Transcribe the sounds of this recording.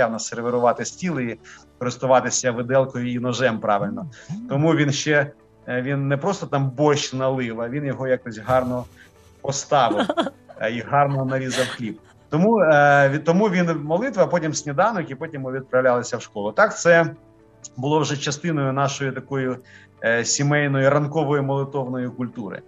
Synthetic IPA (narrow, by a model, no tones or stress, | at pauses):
ɑwnɐseɾʋeɾʊʋɑt̪ɪsʲtʲilˠɪikɔɾɪst̪ʊʋɑt̪ɪsʲɐʋɪd̪ɛlˠkɔjʊinɔʒɛmpɾɑʋɪlʲnɔt̪ɔmuʋʲinʃt͡ʃɛ | ʋʲinːepɾɔst̪ɔt̪ɑmbɔʃnɐlˠɪʋɐʋʲinjɔɦɔjakɔsʲɦɑrnɔ | pɔst̪ɑʋɪwiɦɑrnɔnɐɾʲizɐwxlʲip | t̪ɔmuʋʲt̪ɔmuʋʲinmɔlˠɪt̪ʋɐpɔtʲimsʲnʲid̪ɑnɔkipɔtʲimʊʋʲid̪̚pɾɐwlʲalˠɐsʲɐwʃkɔlˠʊt̪ɑkt̪sɛ | bʊlˠɔwʒɛt͡ʃɐst̪ɪnɔjʊn̪ɑʃɔjʊt̪ɐkɔjʊ | sʲimɛjnɔjʊrɐnkɔʋɔjʊmɔlˠɪt̪ɔwnɔjʊkʊlʲt̪uɾɪ̰